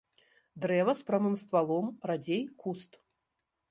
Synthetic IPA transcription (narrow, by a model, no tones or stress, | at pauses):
d̪ɾɛvɐspɾamɨmst̪valˠɔmrad͡zʲejkust̪